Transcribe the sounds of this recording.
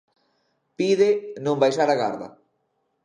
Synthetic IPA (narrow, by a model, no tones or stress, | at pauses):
piðenõmbajsaɾaɣa̰ɾða̰